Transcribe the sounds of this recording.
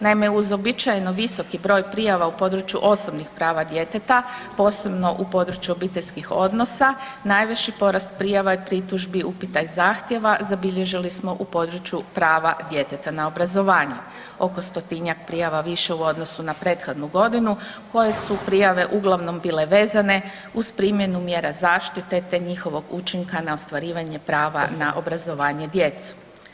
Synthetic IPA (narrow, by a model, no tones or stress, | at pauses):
naimeuzo̞bit͡ʃajenoʋiso̞kibɾo̞ːjpɾijaʋaupo̞d̪ɾut͡ʃjṵʔo̞sobnixpɾaːʋad̪je̞t̪et̪apo̞ːse̞bno̞ʔupo̞d̪ɾut͡ʃjuo̞biːt̪e̞ʎʲskixo̞d̪no̞sa | najʋet͡ɕipo̞ɾast̪̚pɾijaʋaipɾit̪uʒbiupit̪ajzaːxt̪je̞ʋazabiʎe̞ʒilismo̞ʔupo̞d̪ɾut͡ʃjupɾaːʋad̪je̞t̪et̪anao̞bɾazo̞ʋaːɲu | o̞ko̞st̪o̞t̪iɲak̚pɾijaʋaʋiʃe̞uo̞d̪nosunapɾe̞ːt̪xo̞d̪nuɡo̞d̪inuko̞je̞supɾijaʋe̞ʔuɡlˠaʋno̞mbiːle̞ʋe̞ːzane̞ | uz̥pɾiːmje̞numje̞ːɾazaːʃt̪it̪e̞t̪e̞ɲixo̞ʋo̞ɡut͡ʃiŋkanao̞st̪ʋaɾiːʋaɲe̞pɾaːʋa̰naʔo̞bɾazo̞ʋaːɲed̪jet̪su̥